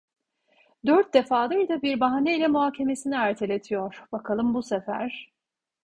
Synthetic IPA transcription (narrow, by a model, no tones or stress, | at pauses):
d̪øɾt̪̚d̪e̞faːd̪ajd̪abiɾbaɦaneilʲɛmuɦaːcʰe̞me̞siniæɾt̪ʰelʲet̪ʰijoɾ̥b̥akʰalˠɯmbusefæ̰ɾ̥